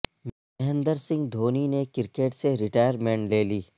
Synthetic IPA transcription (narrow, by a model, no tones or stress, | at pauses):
m | ɦə̃nd̪əɾsɪ̃ŋɡd̪ʱoːninekɪɾkeːʈseɾɪʈaːjəɾmẽːɳʈleːliː